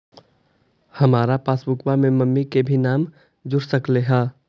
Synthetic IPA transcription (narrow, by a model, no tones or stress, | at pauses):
hɐmaːɾapaːsbʊkwamẽmɐmːikebʱinaːm | d͡ʒʊɾsəkleɦɛ̃ː